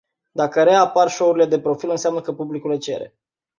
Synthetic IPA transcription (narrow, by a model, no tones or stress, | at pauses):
d̪akəɾe̞aparʃo̞uɾile̞d̪e̞pɾo̞filɨnseamnəkəpublikulet͡ʃḛɾḛ